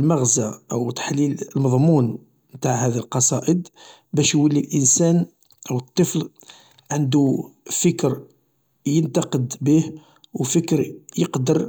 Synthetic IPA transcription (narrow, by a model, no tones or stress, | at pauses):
lməɣzaʔəwt̪ḁħliləlmɑðˤmun | mt̪aʕhæd̪ilqɑsˤɑʔəd̪ | bæʃwəlːilʔənsæn | ʔəwət̪ˤːəfl | ʕənd̪ufəkɾ | jənt̪ɑqəd̪bih | wfəkɾjəqd̪əɾ